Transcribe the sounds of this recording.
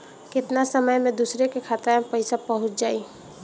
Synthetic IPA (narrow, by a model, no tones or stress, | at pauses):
kɪt̪nasəməjmẽd̪usɾekekʰat̪apəɪsapəɦʊt͡ʃʰd͡ʒaːi